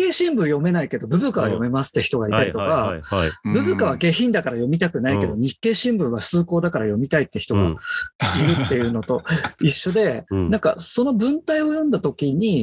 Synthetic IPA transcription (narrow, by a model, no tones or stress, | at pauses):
e̞ːɕĩmbɯ̟̃ɰjo̞me̞naike̞d̪o̞bɯ̟bɯkaβa̰jo̞̰me̞masɨ̥t̪ːe̞çi̥t̪o̞ɡait̪aɾʲit̪oka | bɯ̟bɯ̟kaβ̞aɡe̞çĩnd̪akaɾajo̞mʲit̪akɯ̟naike̞d̪o̞ɲ̟ikːe̞ːɕĩmbɯ̟̃ɰ̃βasɨːko̞ːd̪akaɾajo̞mʲit̪ait̪ːe̞çi̥t̪o̞ɡa̰iɾɯ̟t̪ːe̞jɯ̟ːno̞t̪o̞iɕːo̞d̪e̞nãŋka̰so̞no̞bɯ̟̃nt̪aio̞jõ̞nd̪at̪o̞kʲiɲ̟i